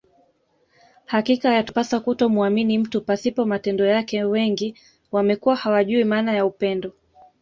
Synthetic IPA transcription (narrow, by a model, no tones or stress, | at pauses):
hakikajatpasakutɔmuaminim̩tupasipɔmatɛndɔjakɛwɛŋɡi | wamɛkuwahawaʄuimaːnajaupɛndɔ